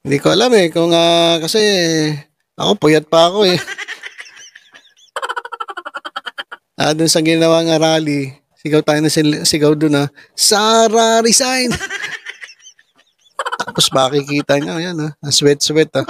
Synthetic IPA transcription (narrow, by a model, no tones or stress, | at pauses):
hɪnd̪ikoʔɐlamɛkʊŋakɐsɛ | ʔɐ̰ko̞pʊjɐt̪̚pɐɐko̞ɛ | ʔa̰d̪ʊnsɐɡɪnɐwaŋaɾaːli | sɪɡawt̪aːjonɐsɪsɪɡawd̪ʊnasaɾaɾɪsajn | t̪aːposmɐkikiːt̪ɐŋajanoɐswɛt̪̚swɛt̪a